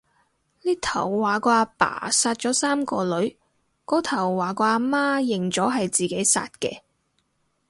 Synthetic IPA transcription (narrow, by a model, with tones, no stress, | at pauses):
liː˥t̪ʰɐ˨˩wːaː˨˩kɔː˧aː˧pa̰ː˨˩saː˧t̚t͡ʃɔː˨˥saː˥mkɔː˧lɵ˨˥ɥ | kɔː˨˥t̪ʰɐ˨˩wːaː˨˩kɔː˧aː˧maː˥jɪ˨˩ŋt͡sɔː˨˥ɦɐ˨jt͡siː˨ke˨˥jsa̰ː˧t̚kɛ̰ː˧